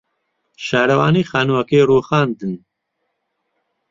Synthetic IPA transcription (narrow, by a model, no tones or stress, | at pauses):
ʃaːɾɐwaːniːxaːnuwɐkeːɾuːxaːnd̪ɨn